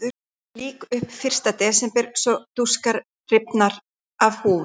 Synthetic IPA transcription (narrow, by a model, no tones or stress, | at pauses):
ʏ | liːkʏhpfɪr̥st̪at̪ɛːsɛmpɛɾ̥sɔt̪uskaɾ | rɪpnaɾ | avhuːv